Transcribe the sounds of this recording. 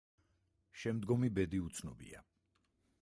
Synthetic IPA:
ʃɛmd̪ɡɔmibɛd̪iut̪sʰnɔbḭa̰

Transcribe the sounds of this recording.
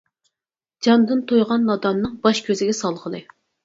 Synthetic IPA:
d͡ʒɑnd̪ɨnt̪ʰojʁɑnːɑd̪ɑnːɨŋbɑʃkʲʰøzɪɡʲɛsɑlˠʁəlˠɨ

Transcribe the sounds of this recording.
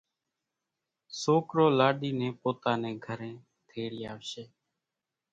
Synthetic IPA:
soːkɾoːlaːɗiːnẽːpoːt̪aːnẽːɡʱəɾẽː | t̪ʰeːɽjaːʋʃeː

